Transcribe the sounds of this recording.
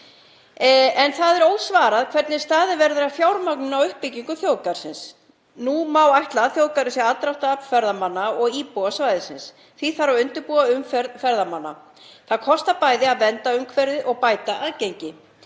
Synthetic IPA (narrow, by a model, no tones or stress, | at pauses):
ɛnθaðɛɾowðsvaːɾaðkʰvɛɾt̪nɪ̥st̪aːðɪvɛɾðʏɾafjawɾmaknʏnawʏhpːɪcːiŋkʏθjoːwkaɾ̥sɪns | numawajht̪laðθjoːwkaɾʏsjɛat̪ɾawht̪aœpfɛɾðamanːaɔɣiːpuasvajðɪsɪns | θviθaɾawʏnt̪ʏɾpuːaʏmfɾfɛɾðamanːa̰ | θaðkʰɔst̪apaːjðɪaðvɛnt̪aʏmkʰvɛɾðɪʔɔɣpaːjt̪aʔaðcejɲcɪ